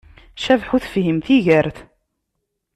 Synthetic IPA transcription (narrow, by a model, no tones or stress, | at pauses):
ʃævħuθfhimθiʝæɾθ